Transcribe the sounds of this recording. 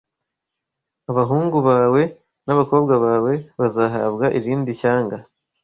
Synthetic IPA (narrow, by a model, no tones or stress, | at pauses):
aβaɦuːŋɡuβaːwe̞ | naβako̞ːbɡaβaːwe̞βazaːɦa̰ːβɡaʔiɾiːndiçaːŋɡa